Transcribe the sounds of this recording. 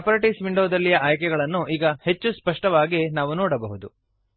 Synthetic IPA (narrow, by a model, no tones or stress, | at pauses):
ɐpɐɾɐʈisʋiɳɖoːd̪ɐlːijɐʔaːjkɛɡɐɭɐnːuʔiːɡɐhe̞t͡ʃːuspɐʂʈɐʋaːɡenaːʋunɔːɽɐbɐɦud̪u